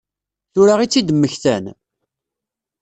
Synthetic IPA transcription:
θʊɾaʁit͡sːid̪əmːəçθæn

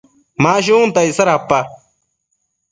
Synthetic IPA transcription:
maːɕiũːnt̪ɐisɐɾapːa

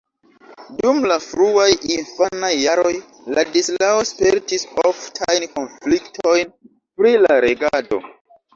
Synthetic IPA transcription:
dumlafɾuajʔinfanajːaɾo̞j | ladislaospe̞ɾtisoftʰajnkonfliktʰo̞jn | pɾilaɾe̞ɡado̞̰

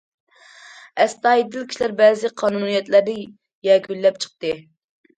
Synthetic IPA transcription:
ɛst̪ɑːjid̪ɪlkʲʰi̥ʃlæɾbɛːzɪqʰɑːnunijɛt̪læɾnɪ | jɛkʲʰylːɛp̚t͡ʃʰə̥q̚t̪ɨ

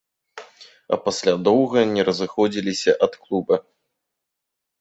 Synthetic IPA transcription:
ɐ̰pasʲlʲad̪ɔwɣɐnʲɛɾɐzɨxɔd͡zʲilʲisʲɐʔɐt̪klˠubɐ

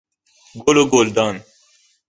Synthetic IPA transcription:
ɡoːloɡoːld̪ɑːn

